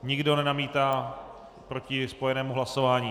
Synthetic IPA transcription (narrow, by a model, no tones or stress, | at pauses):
ɲɪɡdo̞nɛnamiːt̪aː | pɾo̞cɪspo̞jɛnɛːmuɦlaso̞vaːɲiː